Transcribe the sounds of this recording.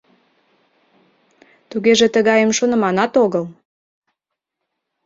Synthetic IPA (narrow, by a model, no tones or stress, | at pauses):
t̪uɣeʒet̪əɣɑjemʃonə̆mɑnɑt̪oɣəl